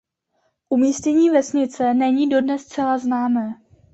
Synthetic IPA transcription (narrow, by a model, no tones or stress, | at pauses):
ʔumiːscɛɲiːvɛsɲɪt͡sɛnɛɲiːdo̞dnɛst͡sɛlaznaːmɛː